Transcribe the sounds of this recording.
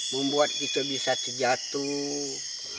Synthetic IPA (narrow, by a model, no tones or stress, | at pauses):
məmbuat̪̚kit̪əbisat̪əd͡ʒat̪u